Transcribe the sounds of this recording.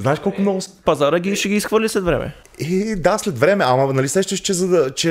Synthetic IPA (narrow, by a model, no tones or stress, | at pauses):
zaɛʃkɔlˠkʊmnɔɡʊspɐzaɾəɡʲiʃɛɡʲiːsxvəɾlʲislɛt̪vɾɛ̰mɛ̰ | ɛd̪aslɛt̪vɾɛmɛamɐnɐlisɛʃt̪əʃt͡ʃɛzɐd̪ɐt͡ʃɛ